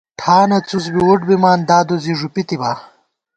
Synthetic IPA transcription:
ʈʰaːnɐt͡sus̬biuʈbimaːnd̪aːd̪oziʐupit̪ibaː

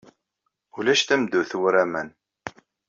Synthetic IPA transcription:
ulæʃt̪æmd̪uθuwɾæmæn

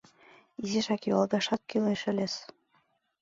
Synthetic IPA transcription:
iziʃækjuɑlb̪eʃɑt̪̚kileʃɘ̆lʲes

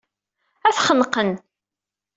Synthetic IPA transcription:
æθχənqən

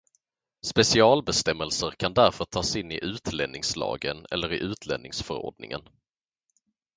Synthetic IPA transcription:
spɛsɪɑːlbɛst̪ɛmːəlsəɾkʰand̪æɾfœʈʰɑːsɪnːɪʔʉ̟ːt̪lɛnːɪŋslɑ̰ːɡənɛ̰lːəɾɪʔʉ̟ːt̪ʰlɛ̰nɪŋsfœɾo̰ːɖnɪ̰ŋə̰n

